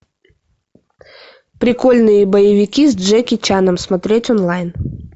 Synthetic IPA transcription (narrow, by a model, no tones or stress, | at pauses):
pɾʲɪko̞lʲnɨjəbəjɪvʲɪkʲizʲʐɛkʲɪt͡ɕanəmsmɐt̪ɾʲetʲɔnlˠajn